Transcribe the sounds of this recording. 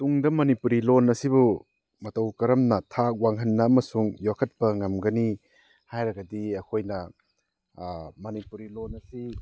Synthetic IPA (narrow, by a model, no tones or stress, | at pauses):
tuŋdɐmɐnipuɾilonɐsibu | mɐtɐwkɐɾɐmnɐtʰak̚waŋɦɐnːɐɐmɐsuŋjokʰɐt̚pɐŋɐmɡɐni | hajɾɐɡɐdiɐkʰojnɐ | mɐnipuɾilonɐsi